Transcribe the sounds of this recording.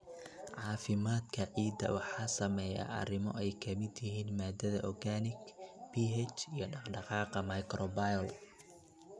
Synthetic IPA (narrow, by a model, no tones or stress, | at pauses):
ʕɑːfɪmaːd̪kʰɐʕiːd̪ɐ̰wɑħɑːsɐmɛja̰ʔɐ̰rɪmɔ̰ɛjkʰɐmɪd̪jɪɦiːnmaːd̪ɐðɐʔɔrɡaːnɪɡb̥iɦɛt͡ʃijɞɖɑɖɑqɑːqɑmɐjkɾɔbajl